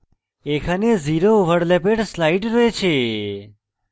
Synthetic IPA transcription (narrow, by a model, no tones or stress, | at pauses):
ekʰaneziɾoʋəɽlepeɖslaiʈɾoet͡ʃʰe